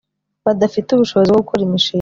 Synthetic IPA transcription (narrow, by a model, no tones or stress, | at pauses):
βadafituβuʃo̞βozibɡoukuɾimiʃiː